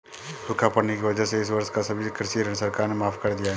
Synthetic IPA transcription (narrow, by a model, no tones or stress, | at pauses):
d̪ʊkʰapɐɽnekiʋɐd͡ʒəɦseɪs̬ʋɐɾʃkasɐbʱikɾɪʃiɾəɳsɐɾkaːɾnemaːfkɐɾd̪ijaɦɛ